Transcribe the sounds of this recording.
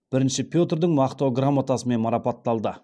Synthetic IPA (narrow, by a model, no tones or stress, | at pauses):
b̥ɪɾɪnʃɪpʰʲjo̞t̪rd̪əɴmɑqt̪oɡramːat̪asəme̞nmɑɾɑpɑt̪ːɑlˠd̪ə